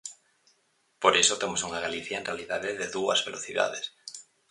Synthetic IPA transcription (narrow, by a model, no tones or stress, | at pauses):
po̞ɾe̞so̞t̪emosunaɣ̞aliθjaenrealiðaðeðeðuazβe̞lo̞θiða̰ðes